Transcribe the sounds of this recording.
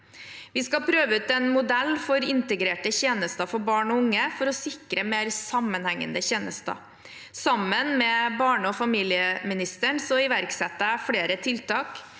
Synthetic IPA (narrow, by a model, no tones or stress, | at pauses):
ʋɪskɑpʰɾøːʋəʉːt̪ɛnmʊd̪ɛlːfɔɾɪnt̪əɡɾeːʈəçeːnəst̪ɑfɔɾbɑːɳɔʊŋːəfɔɾɔsɪkɾəmeːɾsɑmːənhɛŋːə̰nd̪əçeːnəst̪ɑ̰ | sɑmːənmɛbɑːɳəɔfɑmiːlɪəmɪnɪst̪əɳsɔɪʋæɾksɛt̪ːəfɽeːɾət̪ʰɪlt̪ɑːk